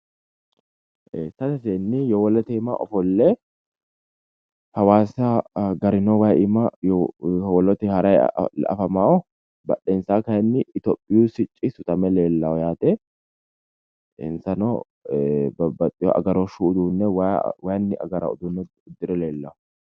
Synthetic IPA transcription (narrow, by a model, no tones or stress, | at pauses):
ʔesɐt̪ɐseːnːɪjɔwɔlɔt̪ɛːma̰ʔɔ̰fɔlːe | hɐwaːsɐɡɐɾɪnowɐʔɪma | wɔlɔt̪ɛhɐɾɐj̰ɐ̰fɐmaːɔ | bɐ̰ɗeːnsaːkɐjɐnːɪɪt̪opʼːɪjuːsɪt͡ʃʼːɪsʊt̪ɐmɛle̞ːlːɐɔjaːt̪e | ḛnsɐno̰ | bɐbɐt̪ʼːɪjɔ̰ɐ̰ɡɐɾɔʃuːd̪uːnːɛwawɐjnːɪʔɐ̰ɡɐɾɐ̰ʊ̰d̪unːɛ | ʊd̪ːɪɾɛleːlːɐɔ